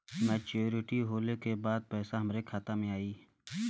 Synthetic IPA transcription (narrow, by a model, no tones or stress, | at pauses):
mɛːt͡ʃoɾɪʈiɦoːlekebaːd̪̚pɛːsaɦɐmɾekʰaːt̪amẽaːiː